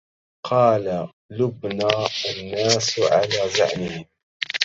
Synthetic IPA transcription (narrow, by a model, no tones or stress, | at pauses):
qʰɑːla | lʊbnaːanːaːsʕalaːza̰ʕnɪhɪm